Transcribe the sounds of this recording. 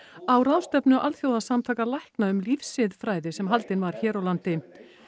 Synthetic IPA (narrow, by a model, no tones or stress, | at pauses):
awɾaːwst̪œpnʏʔalθjowðasamt̪ʰaːkalajhknaʏmlifsɪðfɾaːjðɪsɛmɦalt̪ɪnvaɾ̥çɛːɾawlant̪ɪ